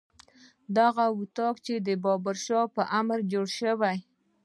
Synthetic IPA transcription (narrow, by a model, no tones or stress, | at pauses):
d̪aɣawʊt̪ɑkt͡ʃed̪əbɑbaɾʃɑpəʔamɾd͡ʒoɽʃəwaj